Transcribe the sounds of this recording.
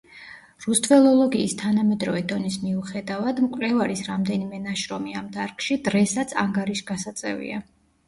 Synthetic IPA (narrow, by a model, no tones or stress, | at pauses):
ɾust̪ʼvɛlˠɔlˠɔɡiːst̪ʰanamɛd̪ɾɔvɛd̪ɔnismiuχɛd̪avad̪mkʼlɛvaɾisɾamd̪ɛnimɛnaʃɾɔmiamd̪aɾkʼʃid̪ɾɛsat̪sʰa̰ŋɡaɾiʃɡasat̪sʼɛ̰vḭa